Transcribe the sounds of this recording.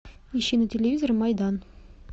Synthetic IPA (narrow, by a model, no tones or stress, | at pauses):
iɕinətʲelʲevizormɑjd̪ɑn